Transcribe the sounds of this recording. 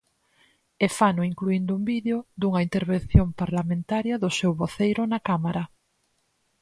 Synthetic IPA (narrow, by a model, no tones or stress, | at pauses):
ɛfanʊiŋkluind̪ʊumbiðeod̪uŋɐint̪eɾβenθjompaɾlamẽnt̪aɾjɐðʊsewβoθejɾʊnɐkamaɾɐ